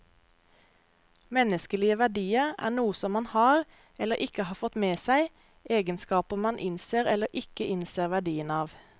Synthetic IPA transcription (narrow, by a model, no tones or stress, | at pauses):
mɛnəskəliːəʋæɖiːəæ̰ːnuːəsɔmːɑnhɑːʁ | ɛləʔɪkəhɑːfɔt̪meːsæɪ | ʔeːɡənskɑːpəmɑnʔɪnseːʁɛləʔɪkəʔɪnseːʁʋæɖiːənɑːʋ